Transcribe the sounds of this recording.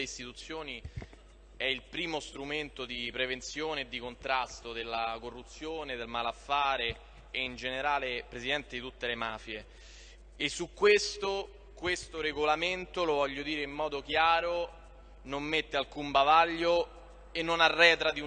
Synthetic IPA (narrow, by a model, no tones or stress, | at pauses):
eist̪it̪ut̪sːjoːni | ɛilpɾiːmost̪ɾument̪od̪ipɾevent̪sjoːneːd̪ːikont̪ɾast̪od̪elːakorːut̪sːjoːned̪elmalafːaːɾeː | ind͡ʒeneɾaːlepɾezid̪ɛnt̪ed̪it̪ut̪ːelemaːfje | esːukːwest̪o | kwest̪oɾeɡolament̪olovɔʎːod̪iːɾeimːɔːd̪ok̟jaːɾo | nomːet̪ːealkumbavaʎːo | enːonarːɛːt̪ɾad̪iu